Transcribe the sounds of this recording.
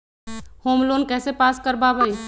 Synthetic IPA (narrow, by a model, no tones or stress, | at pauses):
homlonkɛsepaskəɾbabəj